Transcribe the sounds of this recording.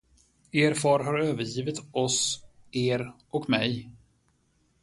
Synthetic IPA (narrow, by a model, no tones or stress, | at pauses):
eːɾfɑːɾɦaɾøːvəɾjiːvɪt̪ɔseːɾʔɔkmɛj